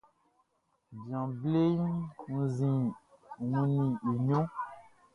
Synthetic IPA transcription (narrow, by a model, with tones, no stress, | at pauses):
bjã˨ble˦ŋũ˦zĩ˨ŋũ˦nĩ˨i˨ɲõ˦